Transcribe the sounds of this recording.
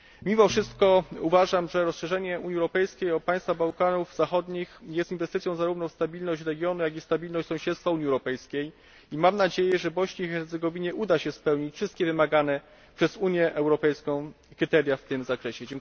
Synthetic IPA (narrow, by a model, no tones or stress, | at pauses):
mʲimɔfʂɘst̪kɔuvaʐamʐɛɾɔsʂɛʐɛɲɛuɲiɛwɾɔpɛjskʲejɔpaj̃st̪fabawkanuvz̥axɔd̪ɲixjɛst̪invɛst̪ɘt̪ʲjɔ̃w̃zaɾuvnɔfst̪abʲilnɔɕt͡ɕɾɛɡʲjɔnujaɡʲist̪abʲilnɔɕt͡ɕtsɔ̃w̃ɕɛt̪st̪fauɲiɛwɾɔpɛjskʲej | imamnad͡ʑejɛʐɛbɔɕɲeixɛɾt̪sɛɡɔvʲiɲɛʔud̪aɕɛspɛwɲit͡ɕfʂɘst̪̚kʲɛvɘmaɡanɛ | pʂɛzuɲjɛʔɛwɾɔpɛjskɔ̃w̃ | kɾɘt̪ɛɾʲjaft̪ɘmzakɾɛɕɛd͡ʑŋ